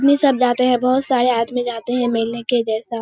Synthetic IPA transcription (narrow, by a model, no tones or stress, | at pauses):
d̪misɐbd͡ʒaːt̪eɦɛ̃bɐɦʊt̪saːɾeaːət̪mĩd͡ʒaːt̪eɦɛ̃mɪlneked͡ʒɛːsa